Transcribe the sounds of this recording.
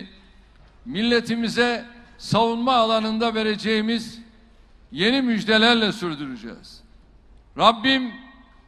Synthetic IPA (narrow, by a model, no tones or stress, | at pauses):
milʲːe̞t̪ʰimizɛsavunmaːlˠanɯnd̪ave̞ɾe̞d͡ʒejimiz | je̞nimyd͡ʒd̪elʲæɾlʲɛsyɾd̪yɾyd͡ʒɛ̰ːz̥ | ɾabːim